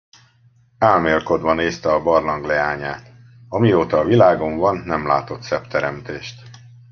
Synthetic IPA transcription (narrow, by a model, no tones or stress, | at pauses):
aːlmeːlko̞d̪ʋɒneːst̪ɛɒbɒrlɒŋɡlɛaːɲaːt̪ | ɒmioːt̪ɒːvilaːɡo̞ɱvɒnːɛmla̰ːt̪o̞t̪sɛpt̪ɛɾɛmt̪eːʃt̪